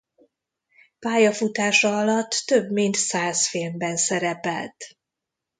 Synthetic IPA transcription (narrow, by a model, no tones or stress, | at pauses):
paːjɒfut̪aːʃɒɒlɒt̪ːøbmint̪saːsfiːlmbɛnsɛɾɛpɛlt̪